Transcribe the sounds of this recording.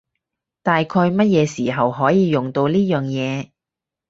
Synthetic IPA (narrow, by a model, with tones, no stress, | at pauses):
t̪aː˨jkʰɔː˧jmɐ˥t̚jɛː˨˧siː˨˩ɦɐ˨wɦɔː˨˥jiː˨˧jʊ˨˩ŋt̪o˧wliː˥jœː˨ŋjɛː˨˧